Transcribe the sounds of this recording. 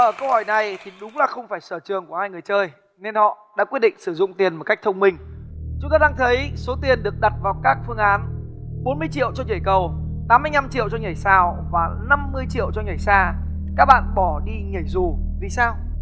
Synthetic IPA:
ʔəː˧˩kə˧whɔ˧˩jna˨˩jt̪ʰi˨˩ɗʊ˨˦ŋ͡mlaː˨˩xə˧wŋ͡mfaː˧˩jsəː˧˩t͡ɕɨ˨˩əŋku˧˩əhaː˧jŋɨ˨˩əjt͡ɕəː˧j | ne˧nhɔ̰˧˨ɗa̰ː˧˥kwi˦˥t̚ɗḭ˧˨ŋ̟sɨ˧˩zʊ̰˧˨ŋ͡mt̪i˨˩ənmo˨˩t̚ka˦˥jk̚t̪ʰə˧wŋ͡mmï˧˩ŋ̟t͡ɕʊ˨˦ŋ͡mt̪aː˧ɗaː˧ŋt̪ʰə˨˦jso˨˦t̪i˨˩ənɗɨ˨˩ək̚ɗa˨˩t̚vaː˨˩wkaː˦˥k̚fɨ˧əŋʔaː˨˦nɓo˨˦nmɨ˧əjt͡ɕḭ˧˨əwt͡ɕɔ˧ɲə˨˧˩jkə˨˩wt̪aː˨˦mɨ˧əjna˧mt͡ɕḭ˧˨əwt͡ɕɔ˧ŋa˨˩jsaː˧˩wvaː˨˩na˧mːɨ˧əjt͡ɕḭ˧˨əwt͡ɕɔ˧ŋa˨˩jsaː˧ | kaː˦˥k̚ɓa̰ː˧˨nɓɔ˧˩ɗi˧ɲə˧˩jzu˨˩vi˨˩saː˧w

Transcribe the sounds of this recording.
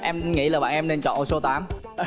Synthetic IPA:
ʔɛ˧mŋḭ˧˥laː˨˩ɓa̰ː˧˨nʔɛ˧mne˧nt͡ɕɔ̰˧˨nʔo˧˩so˧t̪aː˨˦m

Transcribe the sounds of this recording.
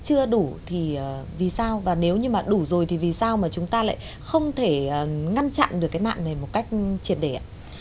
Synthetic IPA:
t͡ɕɨ˧əɗu˧˩t̪ʰi˨˩əː˨˩vi˨˩saː˧wvaː˨˩ne˨˦wɲɨ˧maː˨˩ɗu˧˩zo˨˩jt̪ʰi˨˩vi˨˩saː˧wmaː˨˩t͡ɕʊ˨˦ŋ͡mt̪aː˧la̰ː˧˨j | xə˧wŋ͡mt̪ʰe˧˩˨ŋa˧nt͡ɕa̰˧˨nɗɨ˨˩əkːaː˨˦jna̰ː˧˨nna˨˩jmo˨˩t̚ka˦˥jk̟̚t͡ɕi˨˩ət̚ɗe˧˩a˧˩

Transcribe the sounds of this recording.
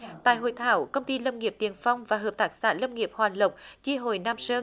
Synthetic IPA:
t̪a̰ː˧˨jɦo̰˧˨jt̪ʰaː˧˦wkə˧wŋ͡mt̪i˧lə˧wŋ͡mŋi˨˩əp̚t̪i˨˦ənfa˧wŋ͡mvaː˨˩ɦəː˨˩p̚t̪aː˦˥k̚sa̰ː˧˥nlə˧wŋ͡mŋi˨˩əp̚hwaː˨˩nlə˨˩wk͡p̚t͡ɕi˧ɦo˧˩jnaː˧msəː˧

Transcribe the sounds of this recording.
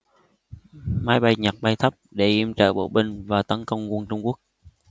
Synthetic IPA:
maː˨˦jɓa˧jɲə˨˩t̚ɓa˧jt̪ʰə˦˥p̚ɗe˧˩ʔi˧˩əmt͡ɕə̰ː˧˨ɓo̰˧˨ɓï˧ŋ̟vaː˨˩t̪ə˨˦nkə˧wŋ͡mkwŋnt͡ɕʊ˧ŋ͡mku˦˥ək̚

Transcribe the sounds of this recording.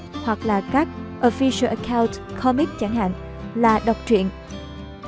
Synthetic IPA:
hwa˨˩k̚laː˨˩kaː˦˥k̚ʔo˧fi˧sə˧ʔə˧kʰaː˧wntkʰɔ˧mi˦˥k̚t͡ɕa˧˩ŋha̰ː˧˨ŋ | laː˨˩ɗə˨˩wk͡p̚t͡ɕwḭ˧˨ən

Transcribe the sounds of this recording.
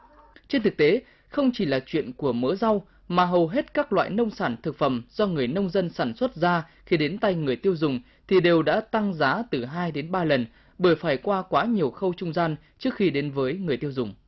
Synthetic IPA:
t͡ɕe˧nt̪ʰɨ˨˩k̚t̪e˨˦ | xə˧wŋ͡mt͡ɕi˧˩laː˨˩t͡ɕwḭ˧˨ənku˧˩əməː˨˦za˧w | maː˨˩ɦə˨˩wɦe˦˥t̚kaː˦˥k̚lwa̰ː˧˨jnə˧wŋ͡msaː˧˩nt̪ʰɨ˨˩k̚fə˧˩mz̥ɔ˧ŋɨ˨˩əjnə˧wŋ͡mzə˧nsaː˧˩nswə˦˥t̚zaː˧xi˧ɗe˨˦nt̪a˧jŋɨ˨˩əjt̪i˧əwzʊ˨˩ŋ͡m | t̪ʰi˨˩ɗe˨˩wɗa̰ː˧˥t̪a˧ŋzaː˨˦t̪ɨ˨˩ɦaː˧jɗe˨˦nɓaː˧lə˨˩n | ɓə˧˩əjfaː˧˩jkwaː˧kwaː˨˦ɲi˨˩əwxə˧wt͡ɕʊ˧ŋ͡mzaː˧n | t͡ɕɨ˦˥ək̚xi˧ɗe˨˦nvəː˨˦jŋɨ˨˩əjt̪i˧əwzʊ˨˩ŋ͡m

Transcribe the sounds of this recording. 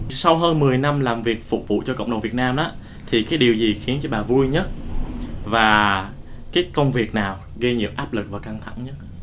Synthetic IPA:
sa˧wɦəː˧nmɨ˨˩əjna˧mlaː˨˩mvi˨˩ək̚fṵ˧˩k͡p̚vṵ˧˨t͡ɕɔ˧kə̰˧˨ŋ͡mɗə˨˩ŋ͡mvi˨˩t̚naː˧mʔa˨˦˥ | t̪ʰi˨˩kaː˨˦jɗi˨˩əwzi˨˩xi˨˦ənt͡ɕɔ˧ɓaː˨˩vu˧jɲə˦˥t̚ | vaː˨˩ | kaː˨˦jkə˧wŋ͡mvi˨˩ək̚naː˨˩w | ɣi˧ɲɨḭ˧˥əwʔaː˦˥p̚lɨ˨˩k̚vaː˨˩ka˧ŋt̪ʰa̰˧˩˨ŋɲə˦˥t̚

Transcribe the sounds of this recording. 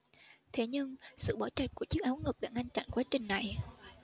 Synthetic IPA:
t̪ʰe˧˩˦ɲɨ˧ŋsɨ̰˧˨ɓɔ˧˩t͡ɕa˨˩t̚ku˧˩ət͡ɕɨ˦˥ək̚ʔaː˨˦wŋɨ˨˩k̚ɗa̰ː˧˩ŋa˧ŋ̟t͡ɕa̰˧˨nkwaː˨˦t͡ɕï˨˩ŋna˨˩j

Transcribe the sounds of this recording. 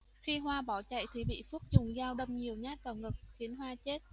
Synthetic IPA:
xi˧ɦwaː˧ɓɔ˧˩t͡ɕa̰˧˨jt̪ʰi˨˩ɓḭ˧˨fu˦˥k̚zʊ˨˩ŋ͡mzaː˧wɗə˧wŋ͡mɲi˨˩əwɲaː˦˥t̚vaː˨˩wŋɨ˨˩k̚xi˨˦ənɦwaː˧t͡ɕe˦˥t̚

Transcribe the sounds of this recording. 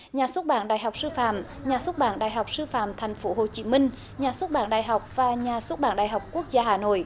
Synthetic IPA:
ɲaː˨˩swt̚ɓaː˧˦nɗaː˧˨jɦwk͡p̚sɨ˧fa̰ː˧˨m | ɲaː˨˩swə˦˥t̚ɓaː˧˦nɗa̰ː˧˨jɦa˨˩wk͡p̚sɨ˧fa̰ː˧˨mt̪ʰɛ˨˩jŋ̟fo˧˦ɦo˨˩t͡ɕi˧˦mï˧ŋ̟ | ɲaː˨˩swə˦˥t̚ɓaː˧˦nɗa̰ː˧˨jɦa˨˩wk͡p̚vaː˨˩ɲaː˨˩swt̚ɓaː˧˦nɗaː˧˨˩jɦa˨˩wk͡p̚ku˦˥ək̚zaː˧haː˧˩no̰˧˨j

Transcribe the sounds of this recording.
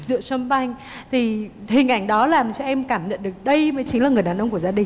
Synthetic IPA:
zɨ̰˧˨sə˧mɓa˧jŋ̟ | t̪ʰi˨˩hï˨˩ŋ̟ʔa˧˩jŋ̟ɗɔ˨˦laː˨˩mt͡ɕɔ˧ʔɛ˧mkaː˧˩mɲə̰˧˨nɗɨ˨˩ə˩k̚ɗə˧jməː˨˦jt͡ɕï˨˦ŋ̟aː˨˩ŋɨ˨˩əjɗaː˨˩nʔə˧wŋ͡mku˧˩əzaː˧ɗï˨˩ŋ

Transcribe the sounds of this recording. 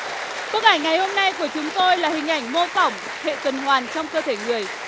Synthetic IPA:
ko˧ək̚ʔa˧˩jŋa˨˩jho˧mna˧jku˧˩ət͡ɕʊ˨˦ŋ͡mt̪o˧jlaː˨˩hï˨˩ŋ̟ʔa˧˩jŋ̟mo˧fɔ˧˩wŋ͡m | hḛ˧˨kə˨˩nhwaː˨˩nt͡ɕɔ˧wŋ͡mkəː˧t̪ʰe˧˩ŋɨ˨˩əj

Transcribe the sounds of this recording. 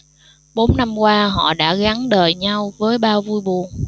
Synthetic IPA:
ɓo˨˦nna˧mkwaː˧ɦɔ̰˧˨ɗa̰ː˧˥ɣa˨˦nɗəː˨˩jɲa˧wvəː˨˦jɓaː˧vu˧jɓu˨˩ən

